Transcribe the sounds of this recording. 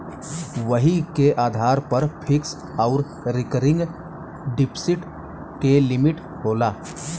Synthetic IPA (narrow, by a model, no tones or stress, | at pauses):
ʋəɦikeʔaːd̪ʱaːɾpɐɾpʰɪks | ɔʊɾ | ɾɪkəɾɪ̃ŋɡ | ɖɪpʰsɪʈ | kelɪmɪʈ | hoːlaː